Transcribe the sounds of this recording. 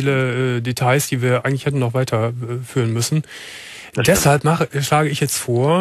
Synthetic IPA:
iːləʔɛːdetʰaɪsd̥iːviːɐʔaɪɡŋtlɪçhɛtn̩nɔχv̥aɪtʰɐfyːʁ̞ənmʏsn̩ | dɛshalpmaχəʃlaːɡəɪçjɛt͡stfoːɐ

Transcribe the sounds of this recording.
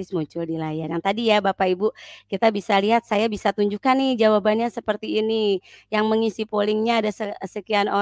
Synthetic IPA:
ɪsmuɲt͡ʃʊldilajarjaŋt̪adijabapaibukit̪abisaliɦat̪̚sajabisat̪uɲd͡ʒukanːɪhd͡ʒawabanɲasəpərt̪iːnijaŋməŋisipolɪŋɲaːdasəsəkiano

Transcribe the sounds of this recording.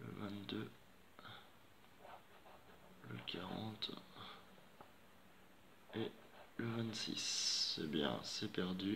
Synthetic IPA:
ləvɛ̃t̪d̪ø | ləkʲʰaʁɑ̰̃t̪ | e | ləvɛ̃t̪sḭsebjɛ̰̃sɛpɛʁd̪y

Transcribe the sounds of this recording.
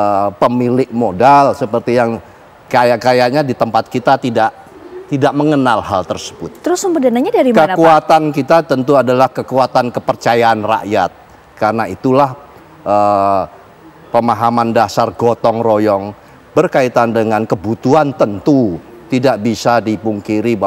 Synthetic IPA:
əpəmilɪʔmodalsəpərt̪ijaŋ | kajakajaʔɲadit̪əmpat̪̚kit̪at̪idaʔ | t̪idaʔməŋənalha̰lt̪ərsə̥bʊt̪̚ːəɾʊsəmudanaɲadaɾikənkuat̪ankit̪at̪ənt̪uadalahkəkuat̪ankəpərt͡ʃajaːnra̰ʔja̰t̪̚ | karnait̪ulah | ʔə | pəmaɦamandasarɡot̪ɔŋrojɔŋ | bərkait̪andəŋankəbut̪uant̪ənt̪ut̪idaʔbisadipuŋkiɾiba

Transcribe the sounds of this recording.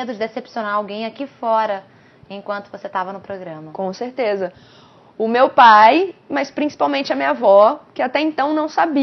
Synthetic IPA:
ed̪ʊd͡ʒɪd̪esepsionaɾawɡẽj̃akifɔɾɐ | ẽkwɐ̃nt̪ʊvoset̪avɐnʊpɾoɡɾɐ̃mɐkõseɾt̪ezɐ | ʊmewpajmɐspɾĩsi̥pawmẽnt͡ʃɪɐmĩɲɐvɔkɪat̪ɛẽnt̪ɐ̃w̃nɐ̃w̃sabi

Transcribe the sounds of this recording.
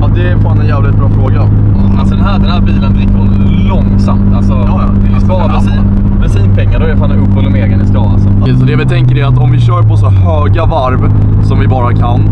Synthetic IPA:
ɔd̪ɛfaːanɛnjæːvlɪt̪̚bɾɑːfɾoːɡa | asɔd̪ɛnɦæːɖ̪ɛnhæːɾbiːlənblɪkːʊ | lɔŋsamt̪alsɔ | sɑː | si | bɛsiːpʰɛŋːaɖɔɛfaːnɵpːhɔlːəmeːɡənɪskɑːla̰sɔ | sɔd̪ɛvɪt̪ʰɛŋkəɾɛat̪ɔmvɪɕœːɾpʰɔsɔhøːɡavaɾv | sɔmvɪbɑːɾakʰan

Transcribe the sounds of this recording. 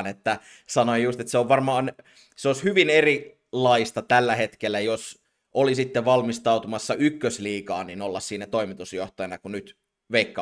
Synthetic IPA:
net̪ːæ | sɑnoijjust̪et̪seoʋʋɑrmɑːn | seoshyʋineri | lːɑist̪ɑt̪ælːæhet̪kelːæjos | ʔolisit̪ːeʋɑlmist̪ɑut̪umɑsːɑykːøsliːkɑːninolːɑssiːnæt̪oimit̪usjoht̪ɑjɑnɑkunyt̪ | ʋeikːɑ

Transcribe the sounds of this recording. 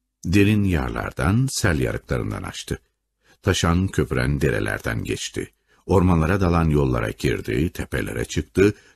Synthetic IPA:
d̪eɾinjaɾlˠa̰ɾd̪ansælʲjaɾɯklˠaɾɯ̰nd̪ana̰ʃt̪ʰɯ | t̪ʰaʃancʰøpɾænd̪eɾe̞̰lʲæ̰ɾd̪ænɟɛt͡ʃt̪ʰḭ | o̞ɾmanlˠaɾad̪alˠanjo̞lˠːaɾa̰ɟʰiɾd̪it̪ʰepʰelʲeɾɛt͡ʃʰɯkt̪ʰɯ

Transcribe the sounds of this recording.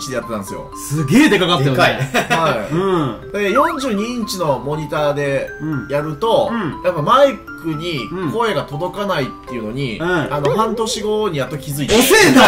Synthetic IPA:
t͡ɕid̪e̞jat̪ːe̞t̪ãsɨjo̞̰ | sɨɡʲeːd̪e̞kakat̪ːekiaiɯ̃d̪ejõ̞ɲ̟d͡ʑɨːɲ̟iɲ̟t͡ɕino̞mo̞ɲ̟it̪aːd̪ẽ̞jaɾɯ̟t̪o̞japːamaikɯ̟ɲ̟iko̞eɡat̪o̞d̪o̞kanait̪ːe̞iɯ̟no̞ɲ̟ianohãnt̪o̞ɕiɡo̞ɲ̟ijat̪ːokʲizɨit̪esea

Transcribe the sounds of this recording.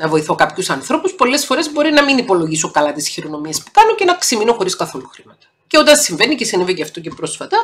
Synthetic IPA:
nɐvo̞iθo̞kɐpçusɐnθɾo̞puspo̞le̞sfo̞ɾe̞zbo̞ɾinɐminipo̞lo̞ʝiso̞kɐlɐt̪isçiɾo̞no̞miespu̥kɐno̞cenɐksimino̞xo̞ɾiskɐθo̞luxɾimɐt̪ɐ̥ | ceo̞t̪ɐnsiɱve̞nicesinivecɐft̪o̞cepɾo̞sfɐt̪ɐ

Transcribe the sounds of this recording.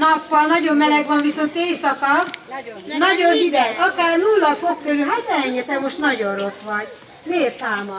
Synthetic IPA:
nɒpːɒlnɒɟo̞mːmɛlɛɡʋɒɱviso̞nt̪eːsɒkɒ | nɒɟonid̪ɛɡɒkaːrnulːɒfokkøɾylɦat̪nɛɦɛɲːɛt̪ɛmo̞ʃt̪nɒɟonro̞sʋɒɟ | meːrt̪aːmɒ

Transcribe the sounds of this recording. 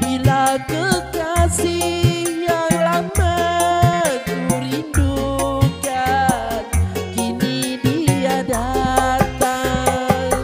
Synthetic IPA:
bilakəkasihjaŋlama | kuɾindukankinidiadat̪aŋ

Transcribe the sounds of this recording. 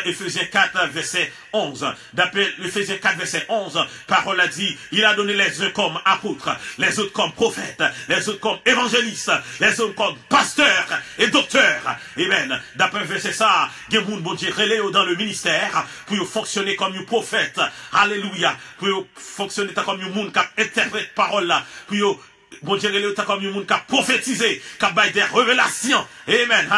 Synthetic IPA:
efezjɛ̃kat̪vɛʁsɛ | ɔ̃z | d̪apɛefezjɛ̃kat̪χvɛʁsɛʔɔ̃zpaʁɔlːad̪iilad̪ɔnelɛzɛ̃kɔmapot̪χəlɛzot̪χə̥kɔmpχɔfɛ̰t̪lɛzot̪χəkɔmevɑ̃ʒelist̪lɛzot̪kɔmpast̪œʁed̪ɔk̚t̪œʁ | emɛnd̪apʁɛ̃vɛʁsɛsa | ɡɛ̃mũnbɔ̃d̪jeʁelejod̪ɑ̃ləminist̪ɛʁ | pujofɔ̃ksjonekɔmjũpχofɛt̪halelujapujofɔ̃ksjonet̪ãkɔmjũmũnd̪kap̚ɛ̃t̪ɛʁpʁɛt̪̚paʁɔlːapujo | bɔ̃d̪jeʁelejot̪ãkɔmjɔ̃mũnkapːχofet̪izekap̚bajd̪ɛʁəvelasjɔ̃emɛ̃n

